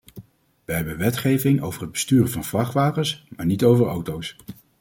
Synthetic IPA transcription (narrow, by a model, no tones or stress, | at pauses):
ʋəɦɛbənʋɛtχejvɪŋʔo̰wvəɹrɦəd̚bə̥styːrənvɑnvlɑχʋaːpənsmaːɹnitowvəɹawtows